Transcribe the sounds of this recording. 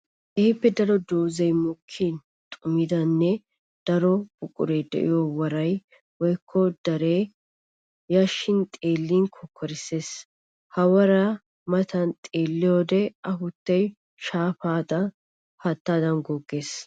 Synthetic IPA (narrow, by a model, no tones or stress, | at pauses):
ʔɛhɪpːɛd̪ɐɾɔd̪oːzɛjmʊkʰːin | t̪ʼʊmɪd̪ɐnːɛ | d̪̥ɐɾɔb̥ʊkʼʊ̰ɾeːd̪ɛ̰ʔɪ̰jɔwɐɾɐj | wɔjkʰːɔd̪ɐɾeː | jɐʃːɪnt̪ʼeːlːiːnkʰɔkʰːɔɾɪsːe̞ːs | hɐwɐɾɐ | mɐt̪ʰɐnt̪ʼeːlːɪjoːd̪ɛɐɦʊt̪ːɐj | ʃaːfaːd̪ɐ | hɐt̪ːaːd̪ɐnɡɔɡːe̞ːs